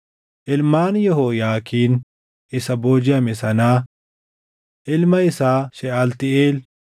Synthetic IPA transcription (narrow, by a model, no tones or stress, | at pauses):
ʔɪlmaːnjɔɦoːjaːkʰiːn | ɪsɐboːd͡ʒɪjamɪsɐnaː | ʔɪlmɐɪsaːʃɛɐlt̪ɪeːl